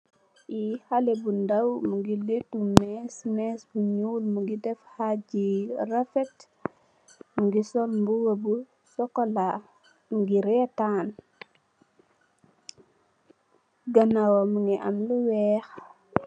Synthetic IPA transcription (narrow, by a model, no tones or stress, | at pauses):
jihalɛbundɐwmuɡiletumɛːsmɛːsbuɲulmuɡidɛfhaɟirɐfɛt | muɡisɔlmbuwɐbu | sɔkɔla | muɡiɾɛtaːn | ɡɐnawomuŋɡiʔɐ̰mluwɛːx